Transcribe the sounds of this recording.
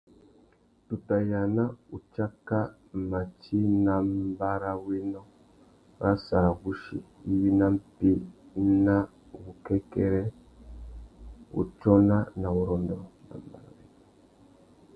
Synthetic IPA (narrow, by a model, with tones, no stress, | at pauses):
tu˨ta˨ja˨na˦u˨t͡ʃa˦ka˦ | ma˨t͡ʃi˦nã˨m˦ba˦ɾa˦we˦nɔ˦ | ɾa˦sa˨ɡu˦ʃḭ˨i˦wi˦na˦m̩˦pi˦na˦ | wu˨kɛ˦kɛ˦ɾɛ˦ | ṵ˨t͡ʃɔ˦na˦na˨wu˨ɾɔ˨ndɔ˨na̰˨mba̰˨ɾa̰˨we˨nɔ˨